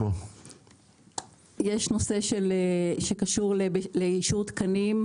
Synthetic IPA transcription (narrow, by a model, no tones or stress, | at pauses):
o | jeʃno̞se̞ʃelʃekaʃuʁlebleiʃut̪kanim